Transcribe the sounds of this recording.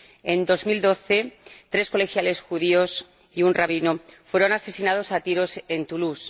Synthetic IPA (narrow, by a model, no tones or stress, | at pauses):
end̪o̞zmild̪o̞θe̞t̪ɾe̞sko̞le̞xjale̞sxuð̞io̞s | iunraβ̞inofwe̞ɾo̞nase̞sinað̞o̞sat̪iɾo̞se̞nt̪ulus